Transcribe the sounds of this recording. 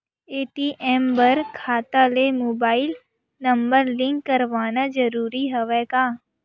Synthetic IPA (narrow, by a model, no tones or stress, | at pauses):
eːʈiːʔɛːmbɐɾkʰaːt̪alemoːbaːɪl | nɐ̃mbəɾlɪ̃ŋkːɐɾʋaːnad͡ʒɐɾuːɾiɦɐʋɛːkaː